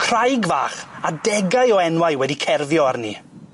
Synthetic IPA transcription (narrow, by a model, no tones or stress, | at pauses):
kʰr̥ajɡva̰ːχadɛɡajɔɛnwajwɛdikʰɛrvjɔarnḭ